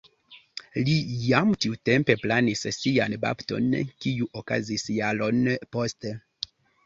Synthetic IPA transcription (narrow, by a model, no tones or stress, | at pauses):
lijamtiutempe̞planissianba̰pto̰nkijuʔoka̰zisjalo̞nposte